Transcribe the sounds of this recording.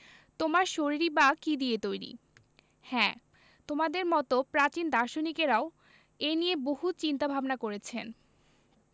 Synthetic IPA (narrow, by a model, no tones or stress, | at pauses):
t̪omaɾʃoɾiɾibakid̪iet̪ojɾḭ | hɛ̃ː | t̪omad̪eɾmɔt̪opɾat͡ɕind̪aɾʃonikeɾao | enijeboɦut͡ɕint̪abʱabnakoɾet͡ɕʰen